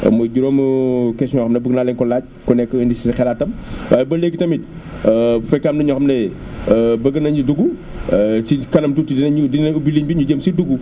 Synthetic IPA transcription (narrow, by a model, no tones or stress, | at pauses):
mɐɟuɾoːmkɛsɲɔxɐmnɐbəɡnalɛɲkɔlaːɟ̚kɔnɛkːəənisisɐxɛlaːtːɐmwʔaːjɛbɐleɡitɐmit̚ | fɛkːaːmnɐɲɔxɐmnɐ | bɐɡɐnɐɲuduɡu | sikɐnɐmtutidinɐɲudinɐubiliɲbiɲuɟəmsiduɡu